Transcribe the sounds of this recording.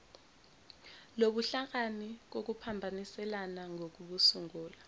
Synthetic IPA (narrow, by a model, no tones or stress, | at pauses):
loɓuɬak̬anik̬ok̬upʰambʱanisɛlanaŋʱok̬uɓusuŋuːla